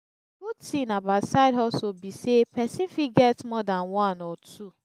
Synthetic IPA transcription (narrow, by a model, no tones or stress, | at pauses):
ɡutĩnabatsaɪdɔsobisepɛsĩnfiɡɛtmɔdãnwãnɔtʰu